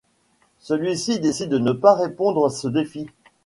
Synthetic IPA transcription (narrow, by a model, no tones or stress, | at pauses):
səlɥisid̪esid̪ːənəpaʁepɔ̃d̪ʁasəd̪efi